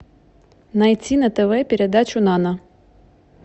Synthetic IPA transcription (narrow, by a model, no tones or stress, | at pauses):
nɐjt͡sʲinɐt̪ɛʋɛpʲiɾed̪at͡ʃʊnɑnɐ